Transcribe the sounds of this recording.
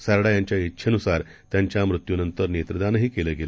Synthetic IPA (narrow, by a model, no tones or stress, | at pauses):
səɾɽajaɲt͡ɕjaitːɕʰənusaɾ | t̪jaɲt͡ɕjamɾut̪junənt̪əɾnet̪ɾəd̪anɦiːkeləɡelə